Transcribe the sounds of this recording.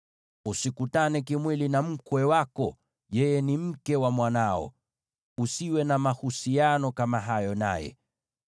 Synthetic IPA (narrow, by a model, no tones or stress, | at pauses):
usikutanɛkimwilinam̩kwɛwakɔ | jɛjɛnim̩kɛwamwanaɔ̰ | usiwɛnamahusianɔkamaɦajɔna̰jɛ̰